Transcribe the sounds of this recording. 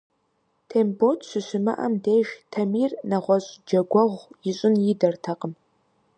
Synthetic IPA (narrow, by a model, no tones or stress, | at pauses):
tʰeːmbotʰɕʷɨɕʷɪmɐ̰ʔɐ̰mdeːʒtʰɐmiːrnɐʁʷɔɕʼd͡ʒɐɡʷɔʁʷjɪɕʼɪnjɪdɐrtʰɐqʼəm